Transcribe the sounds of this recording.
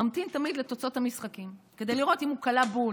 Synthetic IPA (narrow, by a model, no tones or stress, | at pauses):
amt̪imt̪amid̪le̞t̪o̞t͡so̞thamisχakimke̞d̪ejliʁo̞timukalabu